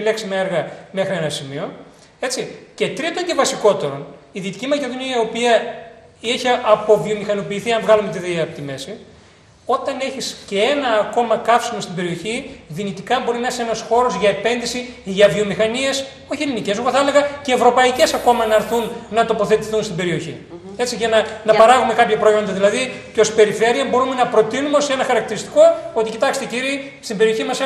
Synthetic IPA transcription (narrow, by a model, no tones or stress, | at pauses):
leksimeeɾɣɐme̞xɾie̞nɐsimio̞ | e̞t͡sice̞t̪ɾit̪oɐnɟ̪evɐsiko̞t̪e̞ɾo̞niðit̪icimɐce̞ðo̞niɐiiopiɐ | içiɐʔɐpo̞vio̞mixɐno̞piːθiɐɱvɣɐlume̞t̪iðiɐpot̪ime̞si | o̞t̪ɐne̞çiscee̞nɐːko̞mɐkɐfsimo̞st̪ibe̞ɾio̞çiðinit̪ikɐbo̞ɾinɐesienɐsxo̞ɾo̞zʝɐepe̞nðisi | ʝɐvio̞mixɐnie̞s | o̞çielinice̞zuɣoθɐele̞ɣɐce̞ːvɾo̞pɐice̞sɐko̞mɐnɐɾθunnɐt̪o̞po̞θe̞t̪i̥θunst̪ibe̞ɾio̞çḭ | e̞t͡siʝɐnɐnɐpɐɾɐɣume̞kɐpçɐpɾoio̞nd̪ɐðilɐðiceo̞spe̞ɾife̞ɾiɐmbo̞ɾume̞nɐpɾo̞t̪inumeosenɐxɐɾɐk̚t̪iɾist̪i̥ko̞o̞t̪icit̪ɐkst̪eciɾie | st̪ibeio̞çimɐse